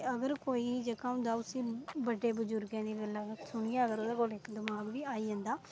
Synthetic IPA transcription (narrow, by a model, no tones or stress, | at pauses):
əɡəɾkoːiːd͡ʒəkãːũnd̪aːʊsĩːbəɖeːbəd͡ʒʊɾɡãːd̪iːɡəlaːsʊɳ̃ɪjãːəɡəɾoːd̪aːkoːlɪkd̪ɪmaːɡʋiːaːiːd͡ʒə̃nd̪aː